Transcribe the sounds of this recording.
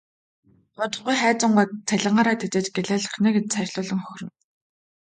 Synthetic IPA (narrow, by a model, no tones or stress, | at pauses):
pʊt̪ə̆χɢujχæːt͡sə̆ɴɢʊt̪t͡sʰæɮɪ̆ɴɢaːɾaːt̪ʰet͡seːt͡ɕɡeɮæːɮə̆χneːɡet͡ɕt͡sʰærʲɮʊːɮɞ̆ŋxɵxʲrɘ̆n